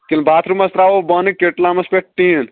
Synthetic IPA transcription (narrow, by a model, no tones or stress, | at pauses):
kilbaːt̪ʰɾumɐst̪ɾaʋobɐnikeʈlaːmɐspeʈʈin